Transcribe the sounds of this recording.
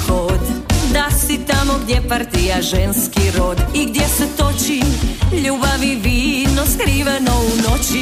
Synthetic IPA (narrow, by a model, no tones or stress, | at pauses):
kod̪d̪asit̪amoɡd̪jepaɾt̪ijaʒɛnskiɾod̪iɡd̪jesɛt̪ot͡ʃiʎuːbaʋiʋiːnoskɾiːʋenounot͡ɕi